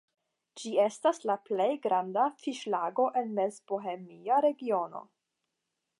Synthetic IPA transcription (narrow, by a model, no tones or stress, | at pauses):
d͡ʒie̞staslaplejɡɾandafiʃlaɡo̞ʔe̞nmezboɦemiaɾe̞ɡio̞no̞̰